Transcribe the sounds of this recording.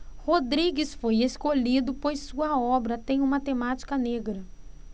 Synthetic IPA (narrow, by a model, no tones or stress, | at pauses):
hod̪ɾiɡɪsfojeskoʎid̪ʊpojsuɐɔbɾɐt̪ẽj̃ũmɐt̪emat͡ʃi̥kɐneɡɾɐ